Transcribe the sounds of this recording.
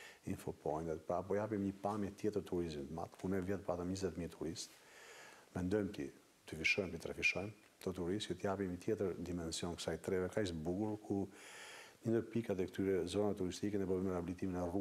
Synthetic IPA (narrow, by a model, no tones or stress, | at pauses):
infɔpɔjnd̪ɛt̪paːpɔjapimɲəpamjɛt̪jɛt̪əɾt̪uɾizint̪əma̰t̪kunɛvjɛt̪pat̪əmɲəzɛt̪mit̪ʰuɾist̪ | mɛnd̪ɔjmt̪i | t̪əfiʃɔjmt̪ət̪ɾɛfiʃɔjm | t̪ɔt̪uɾist̪kɛt̪əjapimit̪jɛt̪əɾd̪imɛnsiɔnkə̥sajt̪ɾɛvɛkaisbukuɾkʰu | ɲənd̪əpikat̪ɛkt̪yɾɛzɔnaɛt̪uɾist̪ikɛnɛpɔbɛmɛɾɛablit̪iminɛru